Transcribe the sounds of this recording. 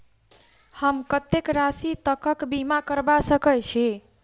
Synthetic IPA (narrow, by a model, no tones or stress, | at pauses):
həmkət̪ːekɾasit̪əkəkbimakəɾbasəkəjt͡ʃʰi